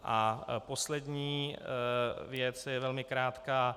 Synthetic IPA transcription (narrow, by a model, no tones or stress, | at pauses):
ʔapo̞slɛd̪ɲiː | vjɛt͡sjɛvɛlmɪkɾaːt̪kaː